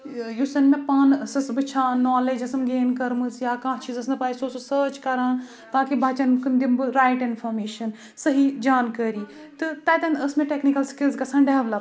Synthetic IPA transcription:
jusɐnmẽpaːnsɐsbɨt͡ʃʰaːnːɔːled͡ʒɐsɨmɡeːnkɐɾmɨsjaːkãːt͡ʃʰiːzɐsnpaːisoːsosəːt͡ʃkɐɾãːn | t̪aːkibʱaːt͡ʃɐnkɨnd̪imbɨɾaːjʈinfʰoɾmeːʃɐn | səɦid͡ʒaːnkɐːɾiː | t̪ɨt̪aːt̪ɐnəsmẽʈeknikɐlskilzkɐsʰãːnɖeʋlɐ

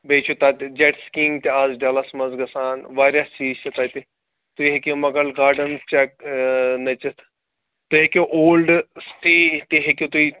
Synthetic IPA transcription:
bet͡ʃʰut̪aːt̪d͡ʒeʈskĩŋɡt̪iaːzɖɐlɐsmɐzɡɐsaːnʋaːɾjɐst͡ʃiːt͡ʃʰɐt̪ɐːt̪i | t̪uiɦekʲomɐɡɐlɡaːɾɖɐnt͡ʃɐk̚nɐt͡ʃit̪ʰ | t̪uɦekʲoʔoːlɖsʈiːt̪iɦekʲot̪ui

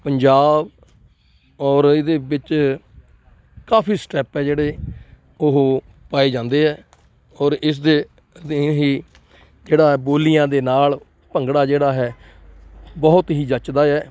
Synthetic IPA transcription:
pəɲd͡ʒaːb | ɔːɾɪd̪eːbɪt͡ʃ | kaːpʰiːsʈɛːpɦɛːd͡ʒeːɽeː | oɦoː | paːeːd͡ʒãːnd̪eːɦɛː | ɔːɾɪs̬d̪eː | ɦiː | d͡ʒeːɽaːɦɛːboːlijãːd̪eːnaːl | pəŋɡɽaːd͡ʒeːɽaːɦɛː | bɔːʊt̪ɦiːd͡ʒət͡ʃd̪aːɛː

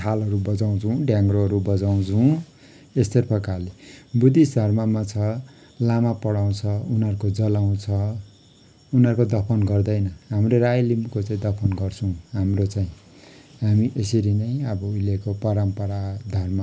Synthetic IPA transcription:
t̪ʰalʌɾubʌd͡zaw̃t͡sʰũɖjãŋɡɾoɦʌɾubʌd͡zaw̃t͡sʰuũ | est̪ʌrpʰʌkalebud̪isd̪ʱʌrmamat͡sʰʌ | lamapʌɽaw̃t͡sʰʌunʌɾkod͡zʌlaw̃t͡sʰʌ | unɦʌrkod̪ʌpʰʌnɡʌrd̪ʌjnʌɦamroɾajlimkot͡saĩd̪ʌpʰʌnɡʌrt͡sʰʌw̃ɦamrot͡saĩ | ɦamiʔesʌɾinʌj̃ʌbʌujlekopʌɾʌmpʌɾad̪ʱʌrma

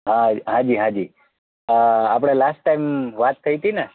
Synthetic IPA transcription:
ɦãɦãd͡ʒiːɦãd͡ʒi | apɽ̃alasʈːaimʋat̪ʰːəit̪ina

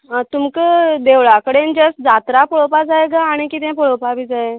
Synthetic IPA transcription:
ət̪umkəd̪eʋɭakəɽend͡ʑəsd͡zat̪ɾapəɭopad͡zajɡaːɽ̃ikit̪ɛ̃pɔɭopabid͡zae

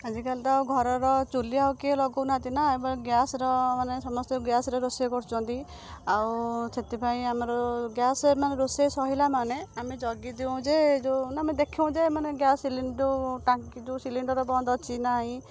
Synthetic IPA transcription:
ad͡ʒikalt̪ɔawɡʱɔɾɔɾɔt͡ʃuliawkielɔɡɔnat̪inaebɔɡjasɔɾɔmanesɔmɔst̪ɔɡjasɾeɾosiekɔɾt͡ʃʰɔnt̪i | awsʰet̪ipʰaĩamɔɾɔɡjasemaneɾosesɔɦilamaneamid͡ʒɔɡid̪iw̃ũd͡ʒed͡ʒonamid̪ekʰiũd͡ʒemaneɡjasiliɳɖɔʈakid͡ʒusiliɳɖɔɾɔbɔnd̪ʱɔt͡ʃʰinaɦĩ

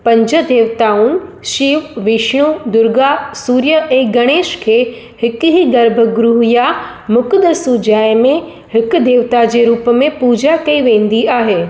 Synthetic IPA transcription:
pɐ̃ɲd͡ʑə̆d̪eːʋt̪aːʊn̆ | ʃiːʋʋɪʃɽ̃ud̪ʊɾɡasuːɾjəʔɛ̃ːɡɐɽ̃eːʃkʰeː | hɪkʊɦiɡɐɾbʱəɡɾʊɦija | mʊkd̪əsud͡ʑaːemẽ | hɪkʊ̆d̪ʱeːʋt̪ad͡ʑeːɾuːpmẽpuːd͡ʑakɐiʋẽːn̆d̪iaːɦeː

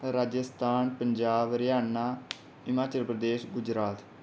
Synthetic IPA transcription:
ɾaːd͡ʒəst̪ʰaːnpəɲd͡ʒaːbɾjaːnaː | ɪmaːt͡ʃəlpɾəd̪eːʃɡʊd͡ʒɾaːt̪

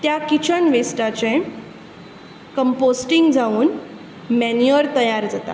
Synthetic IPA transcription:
t̪jakit͡ɕʰəɳʋesʈat͡ɕẽ | kəmposʈiŋɡd͡zauːn | mɛnjəɾt̪əjaɾd͡zat̪a̰

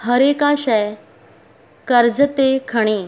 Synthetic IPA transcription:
həɾekaɕɛj | kəɾd͡zət̪ekʰəɽ̃e

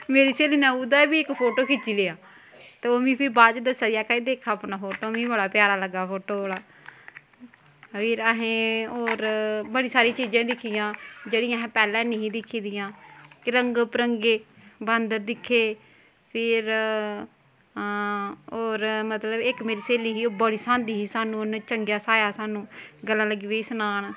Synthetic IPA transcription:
meːɾiːseːliːnãːud̪aːbiːɪkpʰoːʈoːkʰɪt͡ʃiːleːaː | t̪eːoːmĩːpʰɪɾbaːd͡ʒd̪əsːad̪ijaːkaiːd̪eːkʰaːəpnaːpʰoːʈoːmĩːbəlaːpɪjaːɾaːləɡːaːpʰoːʈoːoːɽaː | pʰɪɾəɦẽːoːɾbəɽiːsaːɾĩːt͡ʃiːd͡ʒãːd̪ɪkʰːijãːd͡ʒeːɽĩːaɦːpɛːlɛ̃ːneĩːd̪ɪkʰːiːd̪ɪjãːkɪɾəŋɡpəɾəŋɡeːbənd̪əɾd̪ɪkʰːeː | pʰɪɾ | oːɾmət̪ləbɪkmeːɾiːseːliːɦiːoːbəɽiːsãːnd̪iːɦiːsaːnũːnt͡ʃəŋɡjaːsaːjaːsaːnũːɡəlːãːləɡiːʋeːiːsʊnaːn

